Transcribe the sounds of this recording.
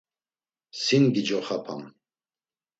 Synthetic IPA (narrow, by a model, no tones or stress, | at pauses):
sinɡid͡ʒɔχapʰa̰m